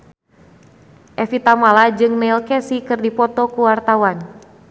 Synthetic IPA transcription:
ʔɛfit̪amalad͡ʒɨŋnɛilkɛsikɨrdipɔt̪ɔkuwart̪awan

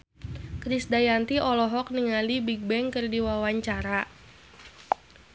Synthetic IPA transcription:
kɾisdajant̪iʔɔlɔɦɔk̚niŋalibiɡ̚bɛŋkɨrdiwawaɲt͡ʃaɾa

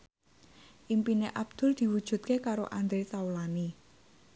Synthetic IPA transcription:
ʔimpineʔab̥̚d̪̥ʊ̤ld̪̥i̤wud̥ʒ̥ṳt̪̚kekaɾo̰ʔand̪ɾet̪aulani

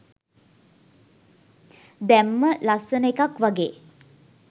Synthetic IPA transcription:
d̪æmːəlasənəekakʋaɡeː

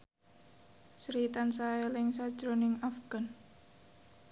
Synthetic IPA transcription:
sɾit̪ansaɛlɪŋsad̥ʒ̥ɾonɪŋafɡ̥an

